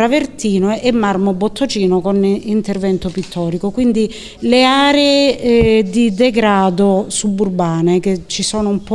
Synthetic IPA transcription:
ɾavert̪iːnoʔɛmːarmobot̪ʰːot͡ʃiːnokonint̪ervɛnt̪opit̪ʰːɔːɾikokwind̪i | leaːɾeed̪id̪ɛɡɾaːd̪osubːurbaːneket͡ʃːisɔːnoumpɔ

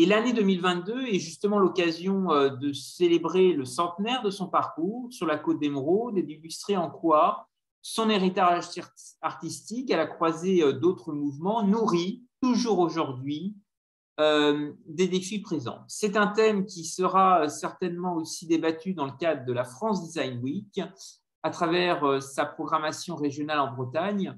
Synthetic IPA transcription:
elaned̪ømilvɛ̃t̪̚d̪øɛʒyst̪əmɑ̃lɔkazjɔ̃ød̪əselebʁeləsɑ̃t̪nɛʁd̪əsɔ̃paʁkuʁsyʁlakot̪̚d̪emʁod̪ed̪ilyst̪χeɑ̃kwa | sɔ̃neʁit̪aʁ | aʁt̪ist̪ikɛlakχwazeød̪ot̪χəmuvmɑ̃nuʁit̪uʒuʁoʒuʁd̪ɥi | ød̪ed̪efipχezɑ̰̃sɛt̪ɛ̃t̪ɛmkʲisəʁaøsɛʁt̪ɛnmɑ̃osid̪ebat̪yd̪ɑ̃ləkad̪ʁəd̪əlafχɑ̃s̬d̪izajnwik | at̪χavɛʁøsapχɔɡʁamasjɔ̃ʁeʒjɔnalɑ̃bʁət̪aɲ

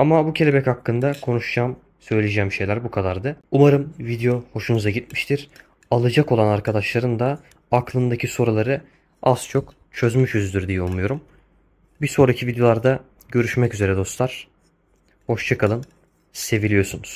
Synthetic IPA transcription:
amabucʰe̞lʲebɛchakːɯnd̪akʰo̞nuʃd͡ʒaːm | sø̞jlʲed͡ʒɛːmʃe̞jlʲæɾbukʰad̪aɾd̪ɯumaɾɯmvid̪ejo̞ho̞ʃunuzaɟit̪miʃt̪ʰiɾ̥ | alˠɯd͡ʒako̞lˠanaɾkʰad̪aʃlˠaɾɯnd̪a | aklˠɯnd̪acʰiso̞ɾulˠaɾɯ | az̥t͡ʃʰo̞k | t͡ʃʰø̞zmyʃyzd̪yɾd̪ijɛulˠmujo̞ɾum | biso̞ɾacʰivid̪ejo̞lˠaɾd̪a | ɟø̞ɾyʃmɛcyze̞ɾɛd̪o̞slˠaɾ̥ | ho̞ʃt͡ʃʰakalˠɯm | se̞vilʲijo̞ɾsunuz̥

